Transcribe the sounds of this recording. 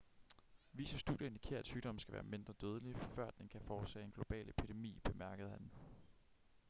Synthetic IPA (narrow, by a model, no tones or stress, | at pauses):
ʋiːsɐsd̥ṵːðjeend̥ikʰe̝̰ɐæd̥syːd̥ɒ̽m̰n̩sɡ̥æʋæ̰ːɐme̝nd̥ʁɐd̥øːð̞ˠəlifɶɐ̰d̥enkʰæfɒ̥ːsɛ̰ːe̝nɡ̥lo̝b̥ɛ̰ːlepʰid̥e̝mḭːb̥e̝mæɐɡ̥əð̞̩ˠhæn